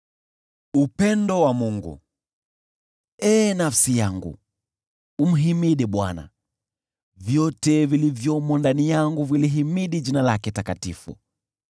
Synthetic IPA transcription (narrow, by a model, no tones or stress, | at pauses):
upɛndɔwamuŋɡṵ | ɛːnafsijaŋɡṵ | um̩ɦimiɗɛɓwa̰na̰ | vjɔtɛvilivjɔmɔndanijaŋɡuviliɦimiɗiʄinalakɛtakatifṵ